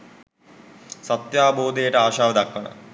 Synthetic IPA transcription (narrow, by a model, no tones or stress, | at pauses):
sɐt̪jaːboːd̪ejɐʈːaːʂaːʋɐd̪ɐkːɐɳɐ̰m